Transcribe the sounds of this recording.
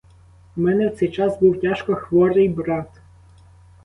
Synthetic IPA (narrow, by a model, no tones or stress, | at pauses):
mɛnɛwt̪sɛjt͡ʃɑsbuwtʲaʃkɔxʋɔɾɪjbɾɑt̪